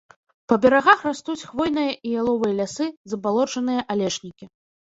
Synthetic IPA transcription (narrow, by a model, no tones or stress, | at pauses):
pɐbʲaɾaɣaxrast̪ut͡sʲxvɔjn̪ɨjɐʔijalˠɔvɨjɐlʲasɨzɐbalˠɔt͡ʂɐnɨjɐʔalʲɛʂnʲikʲi